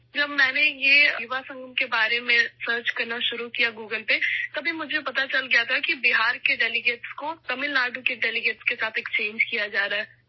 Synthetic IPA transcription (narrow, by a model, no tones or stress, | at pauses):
d͡ʒɐbmɛːnejejʊʋasɐ̃ŋɡəmkebaːɾemẽsəːɾt͡ʃkɐɾnaʃʊɾukijaɡuːɡəlpet̪ɐbʱimʊd͡ʒʱepɐt̪at͡ʃɐlɡɐjat̪ʰakibiɦaːɾkeɖɛːlɪɡeːʈskot̪ɐmɪlnaːɖũkeɖɛːlɪɡeːʈskesaːt̪ʰeːkt͡ʃẽːɲd͡ʒkijad͡ʒaːɾaɦɛː